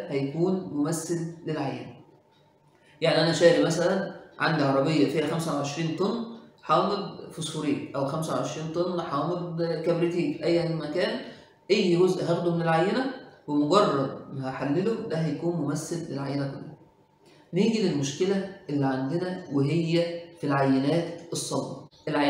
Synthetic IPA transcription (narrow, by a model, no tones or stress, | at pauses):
hæjækuːnmomæsːelːelʕajːḛnæ | jaʕniʔænæʃæːɾimæsælænʕa̰nd̪iʕɑɾˤɑbejːæfiːhæxæmsæwʕeʃɾiːnt̪ˤonːħɑːmed̪̚ˤfosˤfuɾiːʔæwxæmsæwʕeʃɾiːnt̪ˤonːħɑːmed̪kæbɾit̪iːkʔæjːmækæːn | ʔæjːɡozʔɦæxd̪omenelʕajːenæwemoɡɑrˤːɑd̪hæħalːelod̪æhæjækuːnmomæsːelːelʕajːenæko̰lːæ | niːɡilelmoʃkelæʔelːiʕand̪enæweɦejːæfilʕajːenæːt̪esˤːɑlːɑ̰ʔelʕ